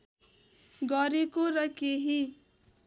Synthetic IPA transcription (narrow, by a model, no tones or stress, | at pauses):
ɡʌɾekoɾʌkeɦi